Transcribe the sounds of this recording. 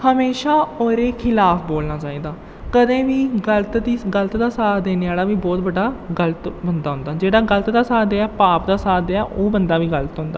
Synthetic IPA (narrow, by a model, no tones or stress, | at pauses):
həmeːʃaːoːɾeːkʰɪlaːfboːlnaːt͡ʃaːiːd̪aː | kəd̪ẽːʋiːɡələt̪d̪iːɡələt̪d̪aːsaːd̪eːnɪjaːɽaːʋiːbɔːt̪bəɖːaːɡələt̪bənd̪aːɦʊ̃nd̪aːd͡ʒeːɽaːɡələt̪d̪aːsaːd̪eɛːpaːpd̪aːsaːd̪ɛːʔoːbənd̪aːʋiːɡələt̪ɦʊ̃nd̪aː